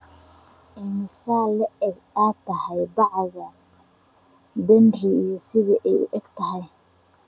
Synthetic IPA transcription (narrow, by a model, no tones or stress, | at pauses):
ʔɪnsaːlɐʔɛɡ | aːt̪ʰɐhɛjbɑʕɑɣɐ | d̪ɐnrɪijɞsɪðiʔɛjʊ̰ʔɛɡ̥t̪ʰɐɦɛj